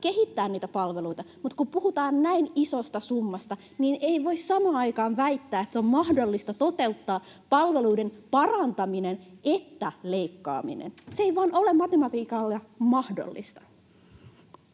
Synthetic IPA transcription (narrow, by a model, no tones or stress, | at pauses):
keɦit̪ːæːnniːt̪æpɑlʋeluit̪ɑmut̪kupuhut̪ɑːnnæinisost̪ɑsumːɑst̪ɑ | niːnʔeiʋo̞issɑmɑːnɑjkɑːnʋæit̪ːæːet̪seommɑhdolːist̪ɑt̪o̞t̪e̞ut̪ːɑː | pɑlʋe̞luidenpɑrɑnt̪ɑminenet̪ːæleikːɑ̰ːmḭnḛnseeiʋɑːnʔo̞lemɑt̪emɑt̪iːkɑlːjɑmɑhdo̰lːḭst̪ɑ̥